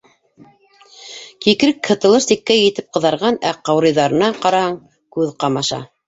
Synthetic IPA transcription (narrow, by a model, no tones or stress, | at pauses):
kikɾɘkhʰɤ̆t̪ɤ̆lˠɤɾsikːæjɘ̆t̪ɘp̚qɤ̆ðɑɾʁɑnæqɑwɾɤ̆jðɑɾɤ̆nɑqɑɾɑhɑɴ | kʉðqɑmɑʃɑ̰